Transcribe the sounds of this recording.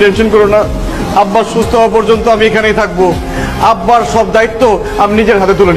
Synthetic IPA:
ʈenʃonkɔɾona | abːaɾʃust̪oɦaep̬ɔɾd͡ʑont̪oamiekʰanejt̪ʰak̚bo | abːaɾʃɔbd̪ait̪ːo | aminid͡ʑeɾɦat̪et̪uleni

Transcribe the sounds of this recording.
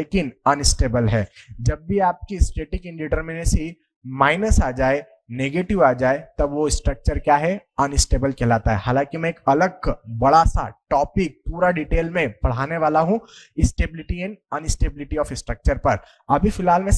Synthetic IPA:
eːkɪnɐnɪsʈeːbəlɦɛːd͡ʒɐbːiaːp̚kiɪsʈeːʈɪkɪ̃ɳɖɪʈəɾmɪnesi | maːɪnəsaːd͡ʒaːe | neːɡeːʈɪʋaːd͡ʒaːet̪ɐʋoɪsʈɾɐk̚t͡ʃəɾkjaːɦɛɐnɪsʈeːbəlkelaːt̪aɦɛɦaːlãkimɛ̃eːkɐləɡ̚bɐɽasa̰ʈɔːpɪk̚puːɾaɖiːʈeːlmẽb̥ɐɽ̤aːneʋaːlaɦũɪsʈeːbɪlɪʈiɛ̃nɐnɪsʈeːbɪlɪʈiɔːfɪsʈɾək̚t͡ʃəɾpɐɾ | ɐbʱifɪlɦaːlmẽ

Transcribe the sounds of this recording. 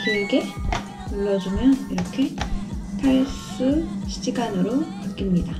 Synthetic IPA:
kɯeɡe̞ | uɭːʌd͡ʑumjʌniɾʌkʰe̞pʰaɭs͈uɕʰid͡ʑiɡanɯɾo | ɯk͈imɲida

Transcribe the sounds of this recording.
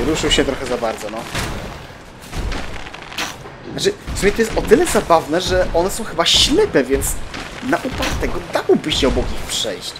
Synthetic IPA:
ɾuʂɘwɕɛt̪ɾɔxɛzabaɾd̪zɔnɔ | nat͡ʂɘffsumʲjɛt̪ɔjɛst̪ɔt̪ɘlɛzabavnɛʐɛʔɔnɛsɔ̃w̃xɘbaɕlɛpɛvʲjɛnt̪snaʔupat̪ːɛɡɔd̪awbɘɕɛɔbukixpʂɛjɕt͡ɕ

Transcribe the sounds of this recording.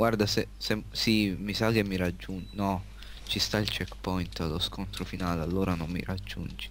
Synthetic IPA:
ɡward̪asesesimːisakemːiɾad͡ʒːunnɔ | t͡ʃist̪ailt͡ʃɛkːpɔjnt̪alːoskont̪ɾofinaːlealːoːɾanomːḭɾad͡ʒːṵnd͡ʒi̥

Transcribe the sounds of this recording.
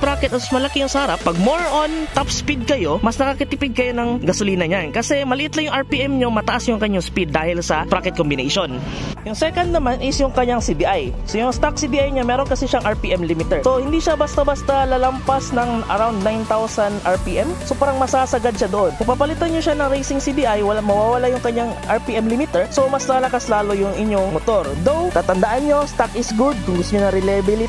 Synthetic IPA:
pɾakɛt̪ʔɐt̪ɐsmɐlɐkijʊŋsahaɾɐpːɐɡ̚moɹʔont̪apspid̪̚kɐjo̞mɐsnɐkakɪt̪ɪpɪɡ̪̚kɐjonɐŋɡɐsoliːnɐɲankɐsɛmɐlɪʔɪt̪lɐŋjʊŋɐɹpiːʔɛmɲomɐt̪ɐʔasjʊŋkɐɲːaŋspid̪ːaːhɪlsɐpɾaːkɛt̪̚kombɪnḛjʃon | jʊŋsɛkɐnd̪nɐmanʔɪsjʊŋkɐɲːaŋsibiʔaj | sojʊŋst̪ak̚sibiʔajɲamɛːɾo̞nkɐsɛʃaŋʔɐɹpiːʔɛmlimɪt̪ɛɹso̞hɪnd̪iʃabɐst̪ɐbast̪ɐlɐlɐmpɐsnɐŋʔɐ̰ɾawnd̪̚najnt̪awsɐnd̪ʔaɹpiʔɛmsopaːɾɐŋmɐsaːsɐɡad̪̚ʃad̪oʔo̞npɐɡ̚papɐlɪt̪anɲoʃanɐŋɾejsɪŋsib̪iʔajwɐlamɐwaːwɐlajʊŋkɐɲaŋʔɐɹpiʔɛmlimit̪ɛɹsomɐslaːlɐkaslaːlo̞jʊŋʔɪɲoŋmot̪o̞ɾd̪owt̪aːt̪ɐnd̪ɐʔanɲo̞st̪akɪsɡud̪̚kʊŋɡʊst̪oɲonɐɾɪlɐbɪlɪt̪

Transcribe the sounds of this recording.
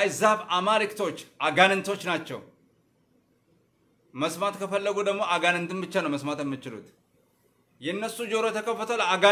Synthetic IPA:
jzafamaɾɨkt̪ʰo̞t͡ʃːʔaɡanɨnt̪ʰo̞t͡ʃːnat͡ʃːɛw | məsmat̪kʰəfəlːəɡud̪əɡmo̞aɡanɨnt̪ɨnbɨt͡ʃːanəwməsmat̪jɛmːɨt͡ʃɪlṵt̪ | jɛɨnːəsːud͡ʒo̞ɾot̪ʰəkʰəfːət̪ʰoləaɡa

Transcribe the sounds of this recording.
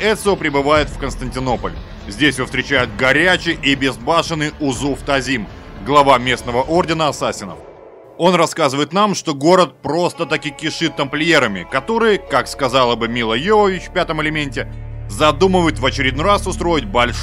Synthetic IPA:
ɛt̪sʲopɾʲɪbɨvajɪt̪fkənst̪ənʲtʲɪno̞pəlʲ | zʲdʲesʲvofst̪ɾʲɪt͡ɕæjʊt̪̚ɡɐɾʲæt͡ɕɪʔɪbʲɪzbaʂɨnɨjʊzuft̪ɐzʲimɡlˠɐvamʲe̞snəvəʔo̞rdʲɪnəɐsasʲɪnə̰f | o̞nrɐskazɨvəjɪt̪namʂt̪o̞ɡo̞ɾət̪̚pɾo̞st̪ət̪akikʲɪʂɨt̪ːəmplʲɪeɾəmʲɪ̰kɐt̪o̞ɾɨjəkakskɐzalˠəbɨmʲilˠəjovəvʲɪt͡ɕfpʲat̪əmɪlʲɪmʲenʲtʲɪzɐd̪uməvəjɪt̪vət͡ɕɪɾʲɪd̪norasʊst̪ɾo̞jɪt̚ʲbɐlʲ

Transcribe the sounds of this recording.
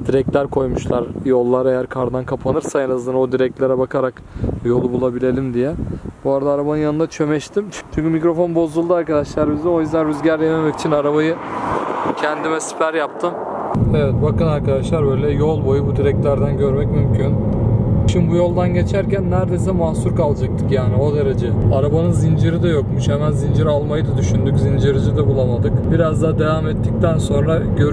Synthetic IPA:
d̪̥iɾɛc̚t̪lʲæɾkʰo̞jmuʃlˠaɾjo̞lˠːaɾe̞jæɾkʰaɾd̪ankʰapʰanɯɾsaenazanaod̪iɾɛc̚t̪lʲeɾɛbakʰaɾak | jo̞lˠubulˠabilʲe̞lʲimd̪ijɛbuaɾad̪aːɾabanɯnjanɯnat͡ʃʰø̞mɛʃt̪ʰimt͡ʃʰt͡ʃʰyɲʲcymicɾo̞fo̞nbo̞zd̪ulˠd̪ɯaɾkad̪aʃlˠaɾɯmizɛo̞jyzd̪ænɾyzɟæɾjɛmemɛci̥t͡ʃʰinaɾaβajɯ | cʰænd̪imɛsi̥pʰæɾjap̚t̪ʰɯm | evɛt̪̚bakɯnaɾkad̪aʃlˠaɾbø̞jlʲɛjo̞lˠbo̞jubud̪iɾɛc̚t̪læɾd̪ænɟø̞ɾmɛcmymcʰynʃʰimbujo̞lˠd̪anɟe̞t͡ʃʰæɾcænːæɾd̪ejs̬ɛmasuɾkʰalˠd͡ʒak̚t̪ʰɯ̥kjaːnio̞d̪eɾed͡ʒɛaɾabanɯnzind͡ʒiɾid̪ɛjo̞kmuʃhɛmænzind͡ʒiɾalˠmajɯd̪ad̪yʃynd̪yczind͡ʒiɾid͡ʒid̪ɛbulˠamad̪ɯkbiɾazd̪aɦːd̪e̞vaːmɛt̪ʰːic̚t̪ʰænso̞nɾaɟøɾ

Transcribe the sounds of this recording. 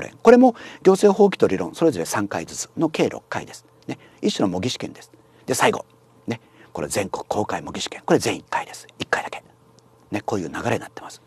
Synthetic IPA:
ɾḛ̃ŋko̞ɾe̞mo̞ɡʲo̞ːse̞ːɦo̞ːk̬ʲi̥t̪oɾʲiɾõ̞so̞ɾe̞zo̞ɾe̞sãŋkaid͡zɨt͡sɨ̥no̞ke̞ːɾʔo̰kːa̰ḭd̪e̞sɨ̥ | ne̞ | iɕːonomo̞ɡʲiɕi̥kẽ̞nd̪esɨ̥ | d̪̥e̞saiɡo̞̰ | ne̞ | ko̞ɾe̞̰zẽ̞ŋkokɯ̥kʰo̞ːkaimo̞ɡʲiɕi̥kẽ̞ŋko̞ɾe̞zẽ̞ɰ̃ikːaid̪esɨ̥ikːaid̪̥ake̞̥ | ne̞koːjɯ̟ːnaɡaɾeinat̪ːemasɨ̥

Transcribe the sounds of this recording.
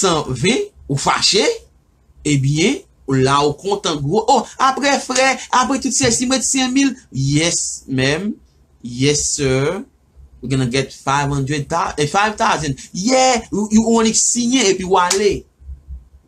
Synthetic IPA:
sãvɛ̃ufa̰ʃe | ebjɛ̃ | ulaokɔ̃tãɡoʔoapɣɛfɣɛapɣɛtutsɛsimɛtsɛ̃miljɛsmɛ̃m | jɛsɜ | wiɡɔ̃naɡɛtfajvʌ̃ndɹɛd̚t̪afajvt̪awzɛ̃ndjɛ | ɔ̃niksĩjɛ̃epiwale

